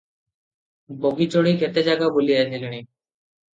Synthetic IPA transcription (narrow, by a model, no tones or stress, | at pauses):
boɡit͡ɕoɽikɛt̪ed͡ʑaɡabolijad̪ʰeleni